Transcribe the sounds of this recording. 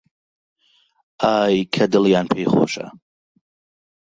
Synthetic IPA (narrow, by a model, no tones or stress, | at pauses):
aːjkʰɐdɨljanpʰejχo̰ʃa̰